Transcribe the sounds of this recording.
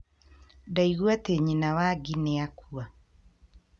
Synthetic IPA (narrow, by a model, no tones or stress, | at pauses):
daiɣwateɲinawaɡinɛakʰua